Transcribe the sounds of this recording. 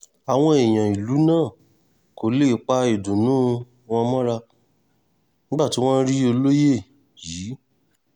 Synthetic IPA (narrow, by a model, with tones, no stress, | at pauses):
a˨w̃ɔ̃˧e˨j̃ã˨i˨lu˨˦nãː˦˨ | ko˨˦le˦k͡pa˧i˨dũ˨nũ˨˦ | w̃ɔ̃˧mɔ̃˦ɾa˧ | nĩ˦ɡ͡bba˦˨ti˨˦w̃ɔ̃˦n˦ɾi˦o˧lo˦je˦˨ | jiː˨˦